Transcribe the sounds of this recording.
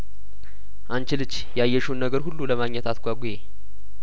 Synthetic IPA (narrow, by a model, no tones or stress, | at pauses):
ʔant͡ʃɪlɨt͡ʃːjɛajːɛʃunːəɡəɾhulːuləmaɡɲɛt̪at̪ɡʷaɡʷuje